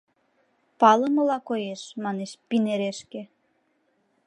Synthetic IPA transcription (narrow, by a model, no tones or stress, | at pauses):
pɑlɤ̆mɤ̆lɑkojeʃmɑneʃpineɾeʃkĕ